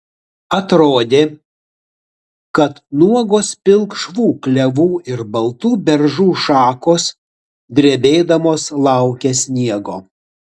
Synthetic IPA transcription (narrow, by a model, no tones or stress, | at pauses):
ɐt̪ɾoːd̪ʲeː | kɐt̪nuɔɡoːspʲɪlˠkʃʋuːklʲɛʋuːɪɾbɐlˠt̪uːbʲɛɾʒuːʃɑːkoːs | d̪ʲɾʲeɛbʲeːd̪ɐmoːslˠɑˑʊkʲɛsʲnʲiɛɡoː